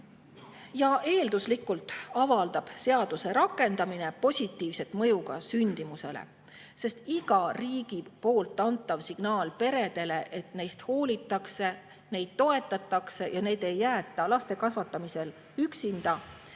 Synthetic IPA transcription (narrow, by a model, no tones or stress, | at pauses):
jɑʔe̞ːld̪uslikːˑult̪ˑɑvɑld̪ɑb̥se̞ɑd̪̥use̞ɾɑkːˑe̞nd̪̥ɑmine̞po̞sʲit̪ːiːvse̞t̪ːˑmɤ̞juɡ̥ɑsynʲd̪̥imuse̞̰lḛ | se̞st̪iɡ̥ɑriːɡ̥ipo̞ːlt̪ːˑɑnt̪ːˑɑvsiɡ̥nɑːlpe̞ɾe̞d̪̥e̞le̞ʔe̞t̪ne̞jst̪ho̞ːlit̪ːˑɑkse̞ | ne̞jd̪̥̚t̪o̞e̞t̪ːˑɑt̪ːˑɑkse̞jɑne̞ːd̪̥e̞jːæːt̪ːˑɑlɑst̪e̞kɑsvɑt̪ːˑɑmise̞l | yksind̪̥ɑ